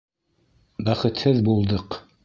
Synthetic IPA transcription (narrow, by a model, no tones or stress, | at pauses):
bæχɘ̆t̪hɘðbulˠd̪ɤq